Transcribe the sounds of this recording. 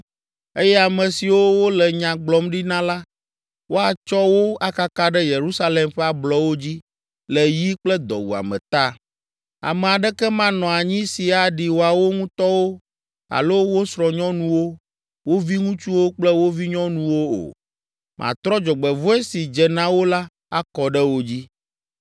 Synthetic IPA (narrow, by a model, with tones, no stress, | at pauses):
e˦jɛ˦a˨mɛ̃˨si˨wo˦wo˦lɛ˨ɲã˨ɡ͡blɔ˦mɖi˦nã˦la˦ | wo˦a˨t͡ʃɔ˦wo˦a˦ka˦ka˦ɖɛ˦je˨ɾu˦sa˦lɛ˨mɸɛ˦a˨blɔ˦wo˦d͡ʑi˦ | lɛ˨ji˦k͡plɛ˦d̪ɔ̰˨wṵ˨a̰˨mɛ̰̃˨t̪a˦ | a̰˨mɛ˨a˨ɖɛ˦kɛ˦mã˦nɔ̃˨a˨ɲĩ˦si˨a˨ɖi˨wo˨a˨wo˦ŋũ˦t̪ɔ˦wo˦ | a̰˨lo˦wo˦sɾɔ˨ɲɔ̃˦nũ˦wo˦ | wo˦vi˦ŋũ˦t͡ʃu˦wo˦k͡plɛ˦wo˦vi˦ɲɔ̃˦nũ˦wo˦o̰˨ | mʔã̰˨t̪ɾɔ˦d͡ʒɔ˨ɡ͡bɛ˨vu˦ɛ˦si˨d͡ʒɛ˨nã˦wo˦la˦ | a˦kɔ˨ɖɛ˦wo˦d͡ʑi˦